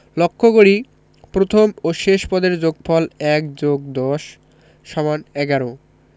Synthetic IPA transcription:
lokʰːoɡoɽi | pɾot̪ʰomoʃeʃpɔd̪eɾd͡ʑoɡpʰɔlɛk̚d͡ʑoɡ̚d̪ɔʃ | ʃɔmanɛɡaɾo

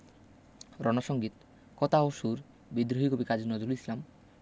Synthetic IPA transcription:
ɾɔnaʃɔŋɡit̪ | kɔt̪aoʃuɾ | bid̪ɾoɦikobikad͡ʒinɔd̪ulislam

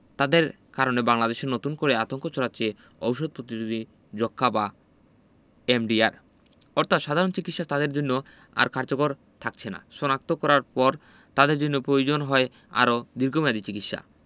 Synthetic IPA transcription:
t̪ad̪eɾ | kaɾonebaŋlad̪eʃeɾnot̪unkoɾeat̪oŋkot͡ɕʰɔɾat͡ɕe | owʃod̪̚pɾot̪inud̪ʱi | d͡ʑokʰːaba | emɖiaɾ | ɔɾt̪ʰat̪ʃad̪ʱaɾont͡ɕikit̪ʃat̪ad̪eɾd͡ʑonːo | a̰ɾkaɾd͡ʑokoɾ | t̪ʰak̚t͡ɕʰena̰ʃɔnak̚t̪okɔɾaɾpɔɾ | t̪ad̪eɾd͡ʑonːopɾojod͡ʑonɦɔe | a̰ɾod̪iɾɡʱomad̪it͡ɕikit̪ʃa̰

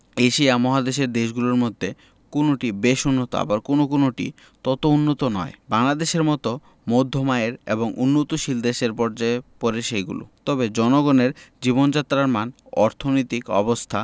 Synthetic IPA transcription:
eʃiamɔɦad̪eʃeɾd̪eʃɡuloɾmod̪ʱːe | konoʈibeʃunːot̪o̰a̰baɾkonokonoʈḭ | t̪ɔt̪ounːot̪onɔ̰ebaŋlad̪eʃeɾmɔt̪o | mod̪ʱːomaeɾḛboŋunːot̪oʃild̪eʃeɾpɔɾd͡ʑaepɔɾeʃejɡṵlo̰t̪ɔbed͡ʑɔnoɡɔneɾd͡ʑibond͡ʑat̪ːɾaɾman | ɔɾt̪ʰonojt̪ikɔ̰bost̪ʰa

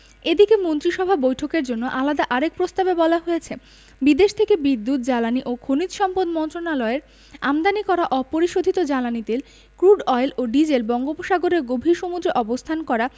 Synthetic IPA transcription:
ed̪ikemont̪ɾiʃɔbʱabojʈʰokeɾd͡ʑonːoʔalad̪aʔaɾek̚pɾost̪abebɔlaɦojet͡ɕʰe | bid̪eʃt̪ʰekebid̪ːut̪̚d͡ʑalaniʔokʰonit̪ʃɔmpod̪mɔnt̪ɾonalɔeɾ | amd̪anikɔɾaʔɔpoɾiʃod̪ʱit̪od͡ʑalanit̪el | kɾuɖɔeloɖid͡ʑelbɔŋɡopoʃaɡoɾeɾɡobʱiʃomud̪ɾeʔɔbost̪ʰankɔɾa

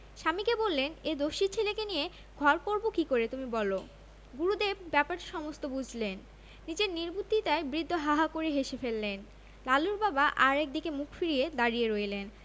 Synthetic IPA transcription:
ʃamikebolːened̪oʃiɾt͡ɕʰelekenije | ɡʱɔɾkoɾbokikoɾet̪umibɔlo | ɡuɾud̪ebbɛpaɾʃɔmost̪obud͡ʑʱlenː | id͡ʑeɾniɾbut̪ːit̪aebɾid̪ʱːoɦaɦakoɾeɦeʃefelːen | laluɾbabaʔaɾek̚d̪ikemukʰfiɾied̪aɾijeɾojelen

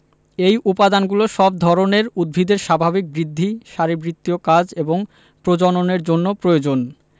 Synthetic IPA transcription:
ejʔupad̪anɡuloʃɔb̚d̪ʱɔɾoneɾud̪̚bʱid̪eɾʃabʱabik̚bɾid̪ʱːiʃaɾibɾit̪ːiokad͡ʑeboŋ | pɾod͡ʑononeɾd͡ʑonːopɾojod͡ʑon

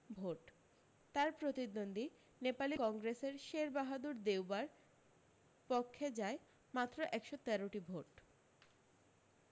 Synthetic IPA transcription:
bʱoʈ | t̪aɾpɾot̪id̪ond̪i | nepalikɔŋɡɾeseɾʃeɾbaɦad̪uɾd̪ewbaɾ | pokʰːed͡ʑae | mat̪ːɾoʔɛkʃot̪ɛɾoʈibʱoʈ

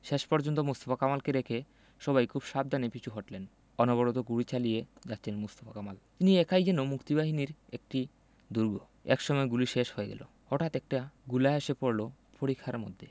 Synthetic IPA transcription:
ʃeʃpɔɾd͡ʑont̪̬omust̪ofakamalkeɾekʰe | ʃɔbajkʰubʃab̚d̪ʱanepit͡ɕʰuɦoʈlen | ɔnobɔɽot̪̬oɡuɽit͡ɕalijed͡ʑatːɕʰenmust̪o̥fakamalt̪iniekʰajd͡ʑɛnomukt̪ibaɦiniɾek̚ʈi | d̪uɾɡo | ɛ̰kʃɔmɔeɡuliʃeʃhoeɡɛ̰lo̰ | hɔʈʰat̪ɛk̚ʈaɡulaaʃepoɾlo | poɾikʰːaɾmo̰d̪ʱːe

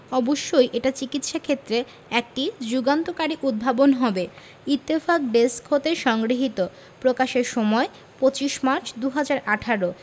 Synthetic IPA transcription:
ɔboʃːojʔeʈat͡ɕikit̪ʃakʰet̪ːɾe | ɛk̚ʈid͡ʑuɡant̪okaɾiʔud̪̚bʱabonɦɔbe | it̪ːefak̚ɖeskʰːot̪eɾʃɔŋɡɾiɦit̪o | pɾokaʃeɾʃɔmɔe | pot͡ɕiʃmaɾt͡ɕd̪uɦad͡ʑaɾʔaʈʰaɾo

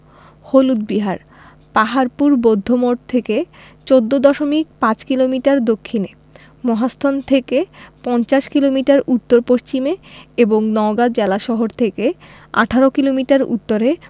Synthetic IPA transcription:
holud̪̚biɦaɾ | paɦaɾpuɾbod̪ʱːomoʈ̚t̪ʰeke | t͡ɕod̪ːod̪ɔʃomik̚pãt͡ɕkilomiʈaɾd̪okʰːine | mɔɦast̪ʰont̪ʰekepɔnt͡ɕaʃkilomiʈaɾut̪ːoɾpoʃt͡ɕimeeboŋnɔoɡad̪̚d͡ʑelaʃɔɦoɾt̪ʰeke | a̰ʈʰaɾokilomiʈaɾṵt̪ːoɾe

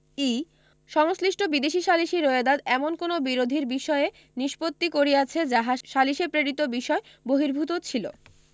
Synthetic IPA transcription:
e | ʃɔŋsliʃʈʰobid̪eʃiʃaliʃiɾoed̪ad̪ɛmonkonobiɾod̪ʱiɾbiʃɔee | niʃpot̪ːikoɾiat͡ɕʰed͡ʑaɦaʃaliʃepɾeɾit̪obiʃɔe | boɦiɾbʱut̪ot͡ɕʰilo̰

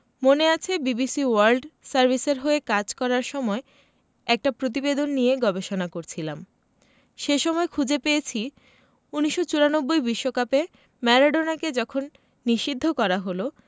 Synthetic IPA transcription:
moneat͡ɕʰebibisiwaɾlɖsaɾbʱiseɾɦoekad͡ʑkɔɾaɾʃɔmɔe | ɛk̚ʈapɾot̪̬ibed̪onːijeɡɔbeʃonakoɾt͡ɕʰilam | ʃeʃɔmɔekʰud͡ʑepejet͡ɕʰi | uniʃːot͡ɕuɾanobːojbiʃːokape | mɛɾaɖonaked͡ʑɔkʰonː | iʃid̪ʱːokɔɾaɦolo

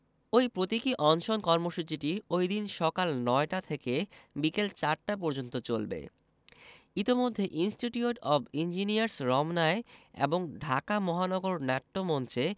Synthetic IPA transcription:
ojpɾot̪ikiʔɔŋʃonkɔɾmoʃut͡ɕiʈiojd̪inʃɔkalnɔeʈat̪ʰekebikelt͡ɕaɾʈap̬ɔɾd͡ʑont̪ot͡ɕolbḛ | it̪imod̪ʱːeʔinsʈiʈiuʈɔbind͡ʑiniaɾsɾɔmnaeḛboŋɖʱakamɔɦanɔɡoɾnɛʈːomɔnt͡ɕe

